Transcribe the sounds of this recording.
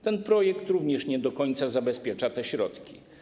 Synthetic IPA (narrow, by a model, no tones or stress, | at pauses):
t̪ɛnpɾɔjɛkt̪ɾuvɲɛʂɲɛd̪ɔkɔɲt̪sazabɛspʲjɛt͡ʂat̪ɛɕɾɔt̪kʲḭ